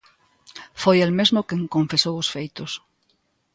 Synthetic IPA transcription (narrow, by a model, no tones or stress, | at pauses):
fojelmezmʊkeŋkõɱfesowosfejt̪ʊs